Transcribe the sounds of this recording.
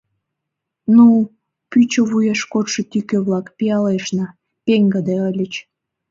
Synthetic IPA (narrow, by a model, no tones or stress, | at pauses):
nu | pyt͡ɕəβujeʃkot̪ʃĕt̪ikøβlɑkpiɑleʃnɑ | peŋɡəd̪eəlʲət͡ɕ